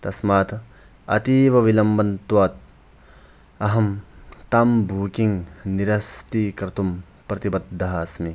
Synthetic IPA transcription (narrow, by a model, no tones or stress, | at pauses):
t̪ɐsmaːt̪ʰ | ɐ̰t̪iːʋɐʋilɐmbɐnt̪waːt̪̚ | ɐɦɐmt̪aːmbʱuːkiŋniɾɐst̪iːkɾt̪um | pɾɐt̪ibɐd̪ʱːɐɦaːsmi